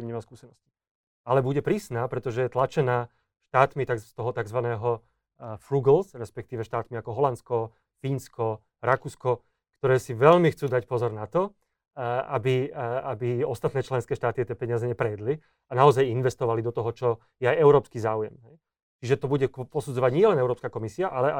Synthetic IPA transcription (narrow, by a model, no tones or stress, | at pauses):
mɲɛmaskuːsɛnɔsci̥ | alɛbuɟɛpɾiːsnaːpɾɛt̪ɔʒɛjɛt̪lat͡ʃɛnaː | ʃt̪aːt̪mit̪ast̪ɔɦɔt̪aɡzʋanɛːɦɔ | fɾuɡlsɾɛspɛk̚t̪iːʋɛʃt̪aːt̪miakɔɦɔlant̪skɔ | fiːnskɔ | ɾakuːskɔ | kt̪ɔɾɛːsiʋɛʎmixt͡suːd̪acpɔzɔɾnat̪ɔ | abiabiɔst̪at̪nɛːt͡ʃlɛnskɛːʃt̪aːt̪iat̪ɛːpɛɲɪazɛɲɛpɾɛjɛd̪li | anaɔzajinʋɛst̪ɔʋalid̪ɔt̪ɔɦɔt͡ʃɔ | jɛajɛʊɾɔːpskiːzaːujɛ̰mɦɛj | t͡ʃiʒɛt̪ɔbuɟɛpɔsud͡zɔʋaɟɲɪɛlɛnɛʊɾɔːpskakɔmisiaʔalɛʔa